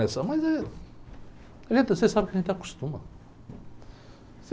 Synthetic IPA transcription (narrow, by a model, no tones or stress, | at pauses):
ɛsɐmɐzɛ | ɐʒẽnt̪sesabkɐʒẽt̪t̪aku̥ʃt̪ũmɐ | se